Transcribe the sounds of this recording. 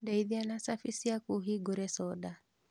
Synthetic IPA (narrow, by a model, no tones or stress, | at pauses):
daiðianasafisiakuɦiɡɔɾɛsɔɗa